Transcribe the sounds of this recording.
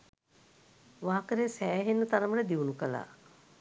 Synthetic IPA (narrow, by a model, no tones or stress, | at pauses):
ʋaːkəɾesæːɦenːət̪aɾəmələd̪iunukəla̰ː